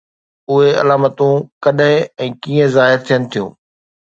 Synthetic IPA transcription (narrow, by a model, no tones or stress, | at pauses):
ʊɦeɐ̰laːmət̪ũkɐɗɦɪ̃ɛ̃ːkĩːə̃zaːɦɪɾt̪ʰijənɪ̆t̪ʰijṵ̃ː